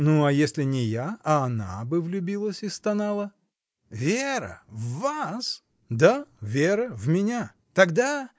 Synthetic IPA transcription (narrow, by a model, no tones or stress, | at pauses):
nuɐjesʲlʲɪnʲɪjaɐːna̰bɨvlʲʊbʲilˠəsʲɪst̪ɐnalˠə | vʲeɾə̰vːas | d̪avʲeɾəvmʲɪnʲa | t̪ɐɡd̪a